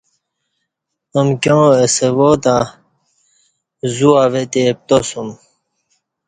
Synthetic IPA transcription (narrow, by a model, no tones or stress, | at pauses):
əmkjõesewot̪ã | zuavet̪ep̚t̪osum